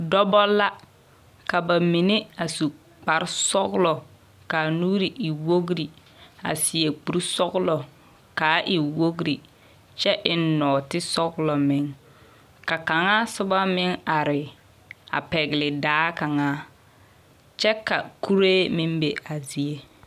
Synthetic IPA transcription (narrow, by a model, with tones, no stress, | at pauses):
dɔ˦bɔ˦la˦ | ka˨ba˨mi˨ne˦a˨su˨ | k͡pa˨ɾɪ˦sɔ˦ɣlɔ˨ | ka˨nuː˦ɾi˨ʔi˨wo˦ɡɾi˨ | a̰˨sɪ˨e˨k͡pu˨ɾsɔ˦ɣlɔ˨ | kaː˨˦ʔi˨wo˦ɡɾi˨ | t͡ʃɛ˦ʔɪ˦nɔ˨tɪ˦sɔ˦ɣlɔ˨mɪ˦ŋ | ka˨ka˨ŋa˦sʊ˦ba˦mɪ˦ŋa˨ɾɪ˨ | a̰˨pɛ˨ɣɪ˨lɪ˨daː˦ka˨ŋaː˦ | t͡ʃɛ˦ka̰˨ku˦ɾeː˦mɪ˦mbe˨a˨zi˨e˦